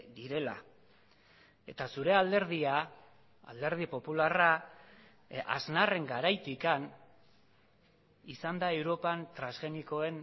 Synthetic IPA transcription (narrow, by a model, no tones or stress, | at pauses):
d̪iɾe̞la̰ | e̞t̪asuɾe̞ald̪e̞ɾð̞ia | a̰ld̪e̞ɾð̞ipo̞pulara | a̰znare̞ŋɡaɾajt̪ikan | isand̪ae̞wɾo̞pant̪ɾanszɣe̞niko̞e̞n